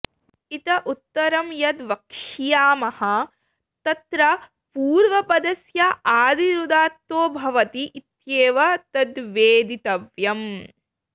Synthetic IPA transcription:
it̪ɐʔut̪ːɐɾɐmjɐd̪ʋɐkʂijaːmɐhɐ | t̪ɐt̪ɾɐ | puːɾʋɐpɐd̪ɐsjɐʔaːd̪iɾud̪aːt̪ʋoːbʱɐʋɐt̪iʔit̪jeːʋɐt̪ɐd̪ʋeːd̪it̪ɐʋjɐm

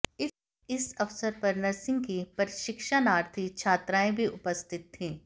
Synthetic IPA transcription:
ɪ | ɪsɐʋsəɾpɐɾnəɾsɪ̃ŋɡ̚kipɐɾʃɪkʃanaːɾt̪ʰit͡ʃʰaːt̪ɾaːẽbʱiʔʊpəst̪ɪt̪ʰːĩː

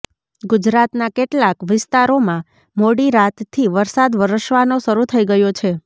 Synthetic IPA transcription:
ɡʊd͡ʒɾat̪nakeʈlakʋɪst̪aɾomã | moɽiɾat̪t̪ʰːiʋəɾsad̪ʋəɾəʃʋanoʃəɾut̪ʰəiɡəjot͡ʃʰe

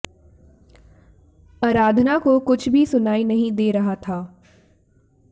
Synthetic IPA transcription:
aːɾaːd̪ʱnakokʊt͡ʃʰbʱisʊnaːinɐɦĩd̪eːɾɐɦat̪ʰaː

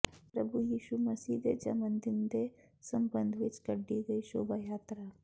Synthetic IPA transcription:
pɾəbʱujiːɕuməsiːd̪ed͡ʒa̰mənd̪ind̪e | səmbənd̪ʱʋit͡skəɖːiɡəiɕo̰bajat̪ɾa

